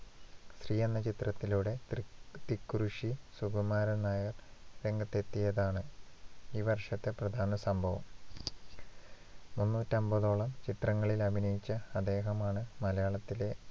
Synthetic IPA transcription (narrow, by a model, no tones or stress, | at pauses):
sriːjenːɐt͡ɕit̪rɐt̪ːiluːɽe̞t̪ikːuɾuʂisuɡɐmaːɾɐnaːjɐɐrɾe̞ŋɡɐt̪ːe̞t̪ːijɐðaːɳɨ | iːʋɐrʂɐt̪ːe̞prɐd̪ʱaːnɐsɐmbʱɐʋɐm | munːuːtːɐmbɐðo̞ːɭɐmt͡ɕit̪rɐŋːɐɭilɐbʱinɐjit͡ɕːɐːd̪ːe̞ːɦɐmaːɳɨmɐlɐjaːɭɐt̪ːile̞